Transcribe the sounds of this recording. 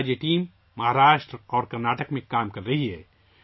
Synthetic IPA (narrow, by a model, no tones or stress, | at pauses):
d͡ʒeʈiːmː | ɐɦaːɾaːʃʈɾɔːɾkɐɾnaːʈəkmẽkaːmkɐɾːɐɦiɦɛː